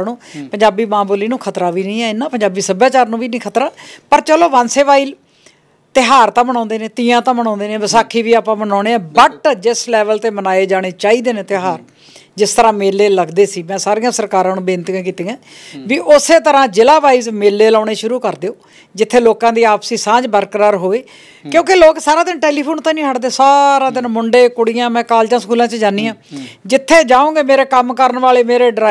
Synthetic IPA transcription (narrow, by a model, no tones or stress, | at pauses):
nũːpəɲd͡ʒaːbiːmãːboːliːnũːkʰət̪ɾaːʋiːnĩːɛːɪnːãːpəɲd͡ʒaːbiːsəbjaːt͡ʃaːɾnũːʋiːnĩːkʰət̪ɾaːpəɾt͡ʃəloːʋənseːʋaːiːl | t̪ɪɦaːɾt̪ãːmənãːnd̪eːneːt̪ĩːãːt̪ãːmənãːnd̪eːneːbəsaːkʰːiːʋiːaːpãːmənaːɽeːɛːbəʈd͡ʒɪslɛːʋəlt̪eːmənaːeːd͡ʒaːɽ̃eːt͡ʃaːiːd̪eːnẽːt̪ɪɦaːɾ | d͡ʒɪst̪əɾãːmeːlːeːləɡd̪eːsiːmɛ̃ːsaːɾijãːsəɾkaːɾãːnũːbeːnt̪ɡãːk̬iːt̪ẽːãːʋiːʔʊseːt̪əɾãːd͡ʒɪlaːʋaːiːzmeːlːeːlaːɽ̃eːʃʊɾuːkəɾd̪eːoː | d͡ʒɪt̪ʰːeːloːkãːd̪iːaːpsiːsãːd͡ʒbəɾkəɾaːɾɦoːeː | kjõːkɪloːksaːɾãːd̪ɪnʈɛːliːpʰoːnt̪ãːnĩːɦəɽd̪eːsaːɾãːd̪ɪnmʊɳɖeːkʊɽijãːmɛ̃ːkaːld͡ʒãːskuːlãːt͡ʃd͡ʒaːniːãːd͡ʒɪt̪ʰːeːd͡ʒaːõːɡeːmeːɾeːkəmkəɾənʋaːleːmeːɾeːɖɾa